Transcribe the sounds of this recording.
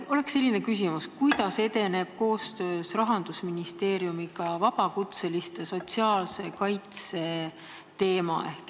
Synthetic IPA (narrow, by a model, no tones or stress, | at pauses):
o̞le̞ksːe̞lːine̞kys̬imuskujd̪̥ɑse̞d̪e̞ne̞b̥̚ko̞ːst̪ø̞ːsrɑɦɑnd̪̥usminist̪e̞ːɾjumiɡɑvɑb̥ɑkut̪se̞list̪e̞so̞t̪ʲsiɑːlse̞kɑjt̪se̞ | t̪e̞ːmɑ̰ʔe̞hk